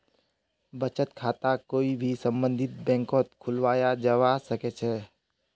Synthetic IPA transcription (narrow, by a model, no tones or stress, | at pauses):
bət͡ʃət̪kʰaːt̪akoːibʱisə̃mbə̃nd̪ʱɪt̪̚bɛ̃ːŋkɔːt̪̚kʰʊlʋaːjad͡ʒəʋasəket͡ʃʰɛː